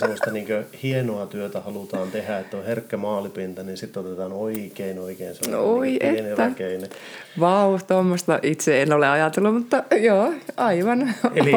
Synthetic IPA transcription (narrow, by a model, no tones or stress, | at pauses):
semːost̪ɑniːŋkøhienoɑt̪yøt̪æhɑlut̪ɑːnt̪ehæet̪ːoherkːæmɑːlipint̪ɑninsit̪ːot̪et̪ɑːnoikeinoikeːnsemoiʔeneʋ̪ːækeine | ʋɑut̪omːost̪ɑʔit̪seenoleɑjɑt̪elːumut̪ːɑjoːɑiʋɑneli